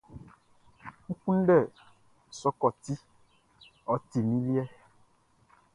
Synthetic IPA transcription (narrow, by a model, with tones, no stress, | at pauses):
ŋũ˦kũ˦n̩˦ɖɛ˦˨ | sɔ˦kɔ˦˨t̪i˦ | ɔ˨˦t̪i˨nĩ˦li˦ɛ˦